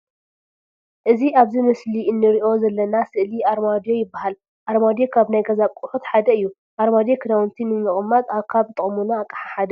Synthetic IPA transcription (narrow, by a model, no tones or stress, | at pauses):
ʔɨziʔaβzimɨsliɨnːɨɾiʔo̞zɐlːɐnasɨʔliʔaɾmad̪jo̞jɪbːaɦal | ʔaɾmad̪jokʰaβnajɡɐzaβkʼuħut̪ħad̪ɐɨjːu | ʔaɾmad̪jekʰɨnawnt̪ʰinɨmɨχʼɨmːat̪aβkʰaβt̪ʼɨχʼmunaːkʼɐħaħad̪ɐ